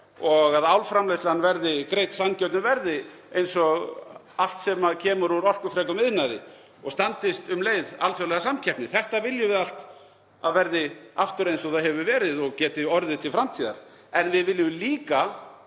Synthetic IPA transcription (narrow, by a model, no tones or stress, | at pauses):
ɔɣaðawlfɾamlejst̪lanvɛɾðɪkɾejt̪sancœt̪nʏvɛɾðɪ | ejnsɔɣ | al̥t̪sɛmaðcʰɛːmʏɾuɾɔr̥kʏfɾɛkʏmɪðnajðɪ̰ | ɔɣst̪ant̪ɪst̪ʏmleːjðalfjowlɛɣasamcʰɛhpnɪθɛht̪avɪljɪvɪðal̥t̪ | aðvɛɾðɪaft̪ʏɾejnsɔɣθaðhɦɛvʏvɛːɾɪðɔɣcɛːt̪ɪɔɾðɪt̪ʰɪlfɾamt̪ʰiːða̰ɾ̥ | ɛnvɪðvɪlːɪmliːka